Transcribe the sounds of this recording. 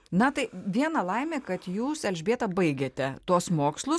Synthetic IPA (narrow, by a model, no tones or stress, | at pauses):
nɐt̪ɐɪʋʲiɛnɐlˠɐɪmʲeːkɐt̪juːsɛlʲʒʲbʲeːt̪ɐbɐɪɡʲeːt̪ʲɛt̪uɔsmoːkslˠʊ